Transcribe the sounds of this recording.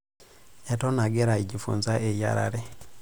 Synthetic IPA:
etonaɡeɾaiɟifṵːnzaʔeja̰ɾa̰ɾe

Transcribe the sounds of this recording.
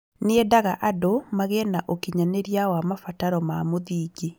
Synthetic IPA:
neɛdaɣaʔadomaɣɛnaʔokiɲaneɾjawamafataɾɔmamoðiːɡi

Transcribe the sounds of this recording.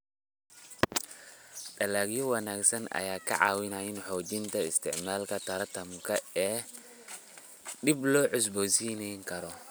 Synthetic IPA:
ɗɐlaɡjɔwɐnaːksɐnɐ̰jaːkʰɐ̰ʕa̰ːwɪnaɪnħɔːd͡ʒɪnt̪ʰɐɪst̪ʰɪʕmaːlkɐt̪ɐɾɐt̪ɐmkʰɐɛː | ɗɪblɔːʕʊs̬bɔːsiːnɛjŋkʰɐɾɔ

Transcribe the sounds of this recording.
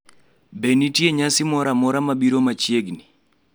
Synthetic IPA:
benitjeɲasɪmɔɾamɔɾamabiɾomat͡ʃjeɡni

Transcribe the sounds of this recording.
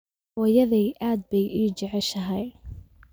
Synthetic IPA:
ɐjɐðɛjʔaːd̪̚bɛjʔiːd͡ʒɛʕɛʃɐɦɛj

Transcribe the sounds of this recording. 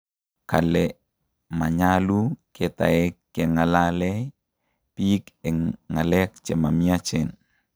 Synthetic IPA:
kalɛ | maɲaluketa̰ɛkːeŋalalɛ | pikɛŋalɛk̚t͡ʃɛmamiat͡ʃɛn

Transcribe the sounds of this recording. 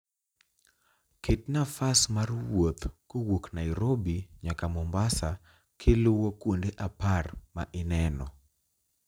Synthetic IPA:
ket̚nafasmarwot̪kowoknajɾobiɲakamɔmbasa | kʰɪlʊwokwondeʔaparma̰ʔɪnɛnɔ

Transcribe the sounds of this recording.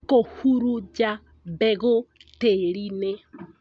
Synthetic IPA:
kohuɾud͡ʒa | bɛɣʊteɾine

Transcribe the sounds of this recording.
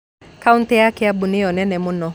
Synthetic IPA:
kauntɪjakɛabʊnɪɔnɛnɛmʊnɔ

